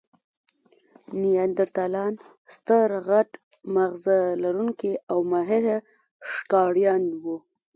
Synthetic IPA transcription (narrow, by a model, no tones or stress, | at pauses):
niand̪ɪɾt̪alɑn | st̪əɾɣaʈ | maɣzalaɾuŋkiawmaɦɪɾ | ʂkɑɽjɑnwu